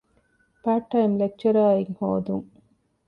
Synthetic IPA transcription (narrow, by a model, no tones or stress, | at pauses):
paːʈːɐimlek̚t͡ʃɐɾaːiŋhoːd̪uŋ